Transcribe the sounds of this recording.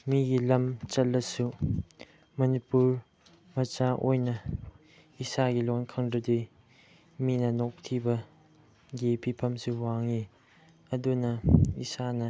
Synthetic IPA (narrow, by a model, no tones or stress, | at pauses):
miɡilɐmt͡ʃɐlːɐsu | mɐnipuɾ | mɐt͡ʃaʔojnɐ | isaɡilonkʰɐŋdɐdij | minɐnok̚tʰibɐ | ɡepʰipʰɐmsuwaŋi | ɐdunɐisanɐ